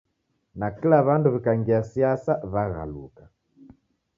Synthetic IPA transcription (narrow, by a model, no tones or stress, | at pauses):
nakilaβanduβikaŋɡiasiasaβaɣa̰lṵka